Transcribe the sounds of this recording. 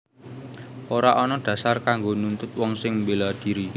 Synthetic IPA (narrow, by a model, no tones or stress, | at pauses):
ʔoɾaʔɔnɔɖ̪̥ä̤sarkaŋɡonunt̪ʊt̪̚wɔŋsɪŋmbelad̪̥i̤ɾi